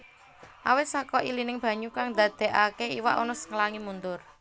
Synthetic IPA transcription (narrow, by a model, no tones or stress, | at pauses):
ʔawɪt̪̚sakɔʔilinɪŋb̥a̤ɲukaŋd̪a̤d̪̥ɛ̤ʔakeiwa̰ʔɔnɔsə̥ŋlaŋimund̪ʊr